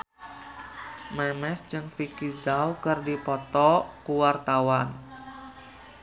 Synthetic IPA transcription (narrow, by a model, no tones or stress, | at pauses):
mɛmɛsd͡ʒɨŋfikizawkɨrdipɔt̪ɔkuwart̪awan